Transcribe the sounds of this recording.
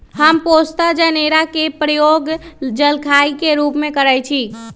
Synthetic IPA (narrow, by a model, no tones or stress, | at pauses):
həmpost̪ad͡ʒəneɾakepɾəjoɡd͡ʒəlkʰaikeɾupmekəɾəjt͡ʃʰi